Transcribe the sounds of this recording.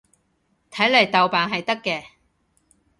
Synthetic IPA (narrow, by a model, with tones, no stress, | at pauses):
t̪ʰɐ˨˥jlɐ˨˩jt̪ɐ˨wpaː˨nɦɐ˨jt̪ɐ˥kːɛː˧